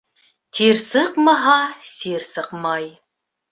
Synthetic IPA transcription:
t̪ʰiɾsɤqmɑɦɑsiɾsɤqmɑj

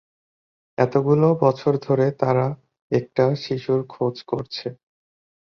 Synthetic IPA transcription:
ɛt̪oɡulobɔt͡ɕʰoɾd̪ʱoɾet̪aɾa | ɛk̚ʈaʃiʃuɾkʰod͡ʑkoɾt͡ɕʰe

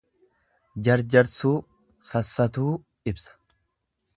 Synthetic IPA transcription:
d͡ʒɐɾd͡ʒɐɾsuː | sɐsːɐt̪uː | ɪbsɐ̥

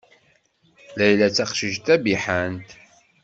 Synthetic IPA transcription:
læjlæt͡sːæqʃəʒt̪æbiħənt̪

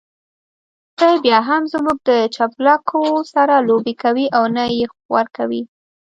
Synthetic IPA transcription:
t̪əjbjɑɦamzmuɡ̚d̪ət͡ʃaplɑkʰosaɾalobekawiʔawnaje | wa̰ɾkawi

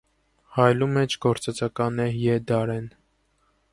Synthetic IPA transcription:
hɑjlumɛt͡ʃʰɡɔɾt͡sɛt͡sɑkɑnɛjɛd̪ɑɾɛn

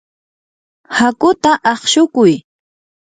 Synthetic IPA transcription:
hakʊt̪aʔɑχʃʊkʊj

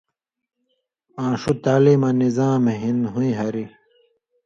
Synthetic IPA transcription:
ãːʂut̪aːlimɐ̃nizaːmeɦinɦũĩɦɐɾi

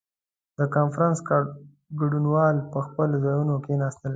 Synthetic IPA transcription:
d̪̥əkɑnfɾɑnsk | ɡaɖunwɑlpəxpəlozɑjunokenɑst̪əl

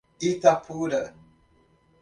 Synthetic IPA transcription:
itapʰudə

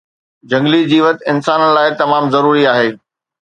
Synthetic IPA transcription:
d͡ʑɐ̃ŋɡlid͡ʑiːʋɐt̪ɪnsaːnə̆laːɪt̪ɐmaːmzɐɾuːɾiaːɦeː

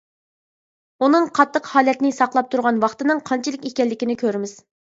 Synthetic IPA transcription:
unɨŋqʰɑt̪ːəqhɑːlɛt̪nɪsɑqlˠɑp̚t̪ʰuɾʁɑnwɑχt̪ɨnɨŋqʰɑnt͡ʃʰɪlˠɪkʲekʲɛlːɪkʲinɪkʲʰøɾɪmɪz̥

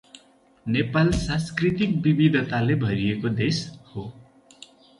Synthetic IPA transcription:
nepalsãskrit̪ik̚bibid̪ʱʌt̪alebʱʌɾijekod̪esho

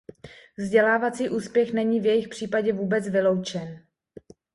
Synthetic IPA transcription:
vzɟɛlaːvat͡siːʔuːspjɛxnɛɲiːvjɛjɪxpr̝̥iːpaɟɛvuːbɛt͡svɪlo̞wt͡ʃɛn

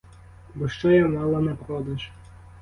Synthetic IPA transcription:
bɔʃt͡ʃɔjanɑlˠɐnɛpɾɔd̪ɐʒ

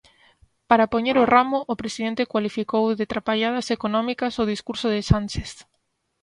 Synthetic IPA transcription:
paɾapoɲeɾoramʊʔːpɾesið̞ent̪ekwalifikowðet̪ɾapaʎaðasekonɔ̃mikasoð̞iskuɾsʊðɪsant͡ʃeθ

